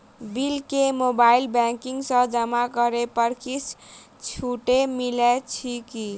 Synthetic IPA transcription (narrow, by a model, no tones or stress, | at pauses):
bilkemobailbɛŋkiŋɡsə̃d͡ʒəmakəɾepəɾkʰis | t͡ʃʰuʈemilet͡ʃʰiki